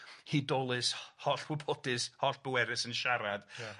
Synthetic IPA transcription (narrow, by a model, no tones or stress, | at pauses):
hidɔlˠɨshɔɬwɪbʰɔdɨshɔɬb̥əwɛɾɨsənʃaɾad̥